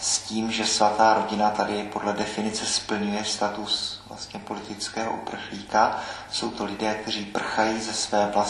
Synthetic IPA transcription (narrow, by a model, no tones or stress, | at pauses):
sciːmʒɛsvat̪aːɾo̞ɟɪnat̪adɪpo̞dlɛdɛfɪnɪt͡sɛspl̩ɲujɛst̪at̪usvla̰st̪ɲɛpo̞lɪt̪ɪt͡skɛːɦo̰ʔupr̩xliːka | so̞wt̪o̞lɪdɛːk̚t̪ɛr̝iːpr̩xajiːzɛsvɛːvla